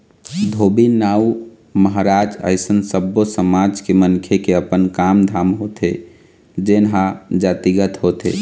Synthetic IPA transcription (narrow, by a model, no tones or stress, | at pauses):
d̪ʱoːbinaːu | məɦɾaːd͡ʒə̰ɪsənsəbːosəmaːd͡ʒkemənkʰjekeəpənkaːmd̪ʱaːmɦot̪ʰe | d͡ʒenɦad͡ʒaːt̪iɡət̪ɦot̪ḛ